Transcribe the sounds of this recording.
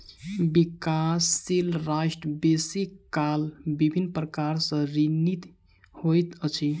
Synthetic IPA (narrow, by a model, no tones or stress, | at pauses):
bikasːilɾaʃʈəbesikalbibʱinːpɾəkaɾsə̃ɾinit̪ | hojt̪ət͡ʃʰi